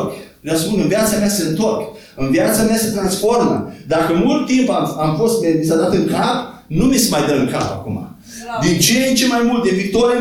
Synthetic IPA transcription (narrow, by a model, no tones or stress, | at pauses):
k | naspunɨnvjat̪sameaseɨnt̪o̞rk | ɨnvjat̪sameaset̪ɾansfo̞rmə̰d̪akəmult̪ːimpaamfo̞st̪med̪isad̪at̪ɨŋkap̚numisəmajd̪əɨŋka̰pa̰kum̰a̰ | d̪int͡ʃent͡ʃemajmult̪evik̚t̪o̞ɾe